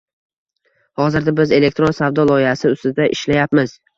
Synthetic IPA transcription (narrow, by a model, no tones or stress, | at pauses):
hɒzɪɾd̪abɪze̞le̞k̚ʲt̪ɾonsavd̪ɒlˠɒɪhasɪʊst̪ɪd̪aʔɪʃlajapmɪz